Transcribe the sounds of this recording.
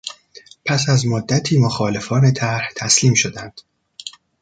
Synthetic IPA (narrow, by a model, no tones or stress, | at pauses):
pʰæsæzmod̪ːæt̪ʰiːmoxɒːle̞fɒːne̞t̪ʰæɾht̪ʰæsliːmʃod̪ænd̪̥